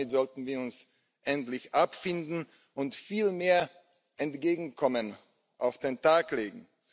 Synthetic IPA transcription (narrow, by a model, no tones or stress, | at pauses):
ɪtz̥ɔltn̩viːɐʊns | ʔɛntlɪçʔapfɪndn̩ | ʔʊntfiːlmeːɐ | ʔɛntɡ̥eːɡŋ̩kʰɔmən | ʔaʊfd̥eːntaːkleːɡŋ̩